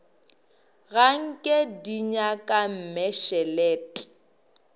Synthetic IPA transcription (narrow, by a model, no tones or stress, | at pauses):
ɣaŋ̩kʼɛdiɲakʼam̩mɛʃɛlɛːtʼ